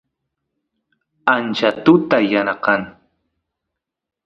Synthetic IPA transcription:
ant͡ʃat̪ʊt̪ajanɑqɑŋ

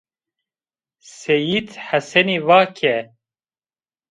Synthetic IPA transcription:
sejid̪ħasɛniːvaːkʰɛ

